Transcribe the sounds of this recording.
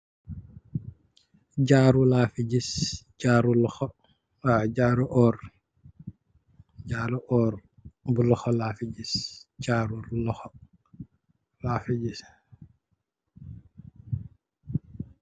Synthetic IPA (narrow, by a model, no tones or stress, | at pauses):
ɟaːɾulaːfid͡ʒisd͡ʒaːɾulɔxɔ | aɟaːɾuʔɔːɾ | d͡ʒaːluʔɔːɾ | bulɔxɔlaːfid͡ʒisd͡ʒaɾuɾlɔxɔ | laːfiɟis